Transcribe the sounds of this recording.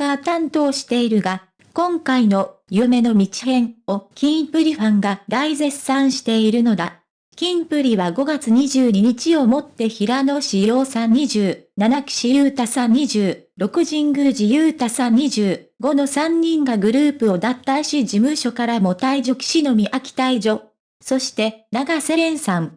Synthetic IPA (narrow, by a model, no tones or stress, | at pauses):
at̪ãnt̪o̞ːɕi̥t̪e̞iɾɯ̟ɡa | kõ̞ŋkaino̞jɯme̞no̞mʲit͡ɕi̥hẽ̞ɴo̞kʲĩpɯ̟ɾʲiɸãŋɡad̪aize̞sːãɰ̃ɕi̥t̪e̞iɾɯ̟no̞d̪a | kʲĩmpɯ̟ɾʲiβaɡo̞ɡat͡sɨɲ̟iʑɨːɲ̟iɲ̟it͡ɕio̞mo̞t̪ːe̞çiɾano̞ɕijo̞ːsãɲɲiʑɨːnanakɯ̥ɕijɯ̟ːt̪asãɲ̟iʑɨːɾo̞kɯ̟ʑĩŋɡɯʑijɯ̟ːt̪asãɲ̟iʑɨː | ɡo̞no̞sãɲ̟ːĩŋɡaɡɯ̟ɾɯ̟ːpɯ̟o̞d̪at̪ːaɕid͡ʑimɯ̟ɕo̞kaɾamo̞t̪aiʑo̞ki̥ɕino̞mʲiʔakʲi̥t̪aid͡ʑo̞ | so̞ɕi̥t̪e̞naɡase̞ɾẽ̞ɰ̃sãŋ